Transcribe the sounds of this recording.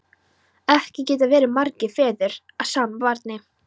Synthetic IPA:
ɛhcɪcɛːt̪̬avɛːɾɪmaɾcɪfɛːðɪɾ | aðsaːmavaɾt̪nɪ

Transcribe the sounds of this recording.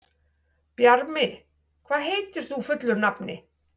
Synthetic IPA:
pjaɾmɪ | kʰvaːðɦejt̪ɪɾ̥θufʏt̪lʏɾnapnɪ

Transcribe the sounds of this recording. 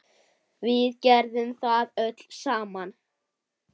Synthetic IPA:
vɪðcɛɾðʏmθaðœt̪lsaːman

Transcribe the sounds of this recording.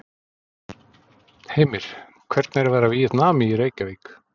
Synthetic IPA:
heːjmɪɾ̥ | kʰvɛɾt̪nɛɾvɛːɾavijɪt̪naːmɪiɾeːjcavik

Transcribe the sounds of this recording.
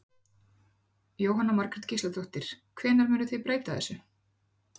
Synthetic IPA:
joːwɦanːamaɾkɾɛt̪cʰislat̪ʰowht̪ɪɾ̥kʰvɛːnaɾmʏːnʏθejpɾeːjt̪aθɛ̰sːʏ

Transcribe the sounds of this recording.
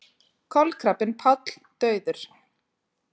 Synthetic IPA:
kʰɔlkʰɾapɪnpʰat̪l̥t̪œːɥðʏɾ̥

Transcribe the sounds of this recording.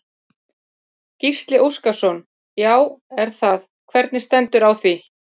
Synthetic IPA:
cist̪lɪʔuskasɔn | jaːwɛɾ̥θað | kʰvɛɾt̪nɪst̪ɛnt̪ʏɾawθvi

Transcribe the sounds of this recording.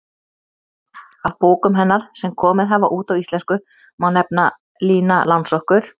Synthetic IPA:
avpoːwkʏmɦɛnːaɾ̥sɛmkʰɔːmɪðɦavaʔuːt̪awist̪lɛnskʏ | mawnɛp̚na | liːnalansɔhkʏɾ̥

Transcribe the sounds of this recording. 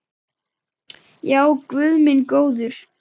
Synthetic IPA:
jaːwkvʏðmɪnkoːwðʏɾ̥

